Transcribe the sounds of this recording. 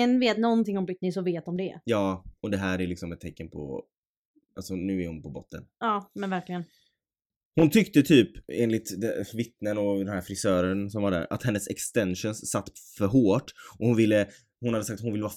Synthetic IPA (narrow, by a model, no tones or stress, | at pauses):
ənveːt̪nɔnt̪ɪŋːɔmbʏt̪nɪsɔveːt̪hɔmd̪ɛjɑːɔd̪ɛɦæːɾæɾlɪksɔmɛt̪t̪ʰːɛkːənpʰɔ̰ | alsɔnʉ̟ːæɾhʊnpʰɔbɔt̪ːə̰nɑːmɛnvæɾklɪɡən | hʊnt̪ʰʏkt̪ət̪ʰyːpeːnlɪt̪d̪ɛvɪt̪nənɔd̪ɛnhæːɾfɾɪsœːɾənsɔmvaɖæ̰ːɾa̰t̪hɛnːəsɛkst̪ɛnʂənsːat̪ːfœɾɦoːʈːʔɔhʊnvɪlːə | hʊnhad̪ːəsak̚t̪hʊnvɪlːəvɑː